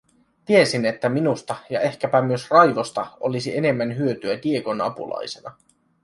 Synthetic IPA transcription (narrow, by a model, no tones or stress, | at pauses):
t̪ie̞sine̞t̪ːæminust̪ɑjɑe̞hkæpæmyøsrɑjʋo̞st̪ɑo̞lisiʔe̞ne̞mːænɦyøt̪yæd̪ie̞ko̞nɑ̰pṵlɑ̰jse̞nɑ